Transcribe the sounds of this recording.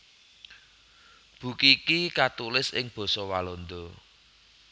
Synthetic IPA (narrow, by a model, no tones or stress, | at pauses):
b̥ṳkikikat̪ulɪsɪ̰ŋb̥ɔ̤sɔwalɔnd̪ɔ